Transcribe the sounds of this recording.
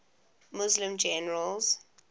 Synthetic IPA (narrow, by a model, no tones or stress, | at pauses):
mʊzlɪ̃md͡ʒɛnəɹəlz̥